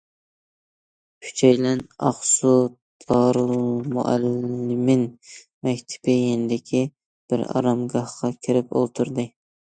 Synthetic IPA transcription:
kʲʰy̥t͡ʃʰɛjlɛnɑ̰χsut̪ʰɑɾmṵʔæ̰lːɪmɪn | mɛkʲt̪ʰɪ̥bɪjenɪd̪ɪkʲʰi | b̥ɪ̰ɾɑ̰ɾɑmɡɑhqʰɑkʲʰɪɾɪpo̰lˠt̪ʰuɾd̪ɨ

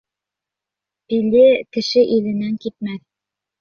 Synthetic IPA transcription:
pilɘkɘ̆ʃɘʔilɘ̆næŋkit̪̚mæθ

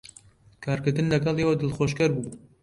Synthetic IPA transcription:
kʰaːɾkɨɾd̪ɨnlɐɡɐlˠewɐd̪ɨlxoːʃkɐɾbuː

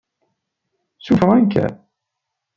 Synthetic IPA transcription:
sufʁænkæ̰

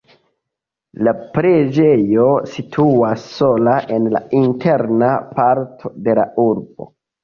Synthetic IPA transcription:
lapɾed͡ʒe̞jo̞sitʰuasːo̞laʔe̞nla̰intʰe̞ɾnapaɾtʰode̞lauɾbo̰

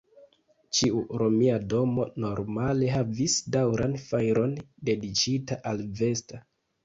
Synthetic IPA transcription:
t͡ʃiuɾo̞miado̞mo̞no̞ɾmale̞ɦavisdawɾanfajɾo̞nde̞dit͡ʃitaʔalve̞sta

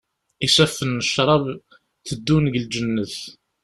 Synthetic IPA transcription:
isæfːənːəʃɾˤɑv | θəd̪ːunʝəld͡ʒənːəθ

